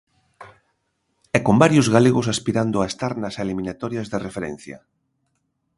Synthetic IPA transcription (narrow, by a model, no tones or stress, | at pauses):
ɛkombaɾjʊzɣaleɣos̬aspiɾand̪ʊaest̪aɾnaselimĩnat̪ɔɾjazðerefeɾɛ̰n̟θja̰